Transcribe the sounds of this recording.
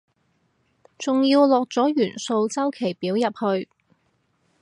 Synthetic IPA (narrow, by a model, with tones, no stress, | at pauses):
t͡sʊ˨ŋjiː˧wlɔː˨k̚t͡sɔː˨˥jyː˨˩nso˧wt͡sɐ˥wkʰe˨˩jpiː˨˥wjɐ˨p̚hɵ˧ɥ